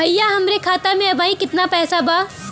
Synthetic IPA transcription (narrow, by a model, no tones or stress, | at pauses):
bʱɐjjaɦɐmɾekʰaːt̪amẽɐbaːĩkɪt̪napɛːsabaː